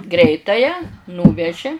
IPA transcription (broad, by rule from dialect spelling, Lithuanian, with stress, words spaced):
ˈɡrʲɛɪtɑːjæː ˈnuːʋʲɛʒʲɪ